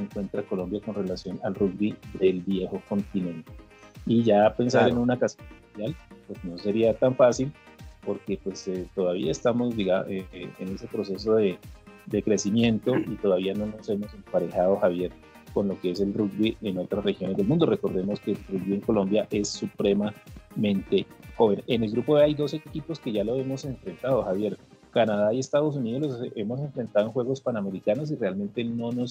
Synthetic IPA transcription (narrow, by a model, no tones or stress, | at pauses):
seŋkwe̞nt̪ɾako̞lo̞mbjako̞nre̞lasjo̞nalruɡbiðe̞lbje̞xo̞ko̞nt̪inẽ̞nt̪e | iʝape̞nsaɾenunakasjonmund̪jalpwe̞zno̞se̞ɾiat̪aɱfasil | po̞ɾke̞pwe̞set̪o̞ðaβiaest̪amo̞zd̪iɣaʔeḛne̞se̞pɾo̞s̬e̞s̬o̞ðe̞d̪e̞kɾe̞simje̞nt̪o̞ʔit̪o̞ðaβiano̞no̞se̞mo̞se̞mpaɾexaðo̞xaβje̞ɾ | ko̞nlo̞keese̞lrukbieno̞t̪ɾasrexjo̞ne̞zd̪elmũnd̪ore̞ko̞ɾðe̞mo̞ske̞lruk̚bieŋko̞lo̞mbjaʔe̞sːupɾe̞mamẽ̞nt̪e̞xo̞βe̞nene̞lɡɾupoβeajd̪o̞sekipo̞skeʝalo̞e̞mo̞seɱfɾe̞nt̪aðo̞xaβje̞ɾ | kanaðaie̞st̪aðo̞s̬uniðolose̞mo̞s̬e̞ɱfɾe̞nt̪aðenxwe̞ɣo̞spaname̞ɾikano̞s̬ire̞alment̪e̞no̞no̞s